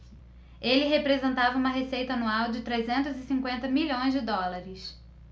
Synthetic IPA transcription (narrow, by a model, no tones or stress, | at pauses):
elɪɦepɾezẽnt̪avɐũmɐɦesejt̪ɐanuawd͡ʒɪt̪ɾezẽnt̪ʊzɪsĩŋkwẽnt̪ɐmiʎõj̃zd͡ʒɪd̪ɔlaɾɪs